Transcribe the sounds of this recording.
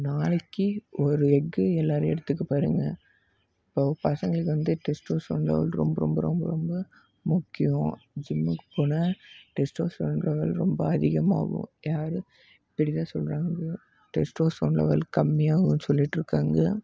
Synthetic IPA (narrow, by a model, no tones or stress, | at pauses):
naːɭɐkːiɔɾɯɛɡːɯɛlːaːɾɐɛɽɯt̪ːɯk̬ːɯpaːɾɯŋɡɐ | ɪpːoːpɐsɐŋɡɐɭɯk̬ːɯʋɐnd̪ɯʈɛsʈoːsɔ̰ːnlɐ̰ʋɐ̰lɾɔ̰mbɐɾɔ̰mbɐɾɔ̰mbɐ̰ɾɔmbɐ | mʊkːɪjʊ̃d͡ʒɪmːɯkːpoːnɐʈɛsʈoːsɔɳlɐʋɐlɾɔmbɐɐðɪɣɐma̰ːɣʊ̰̃jaːɾɯ | ɪpːɐɽɪt̪ãːsɔlɾaːŋɡɐ | ʈɛsʈoːsonlɐ̰ʋɐ̰lkɐmːɪjaːɣɯnsɔlːɪʈːɾɯkːaːŋɡɐ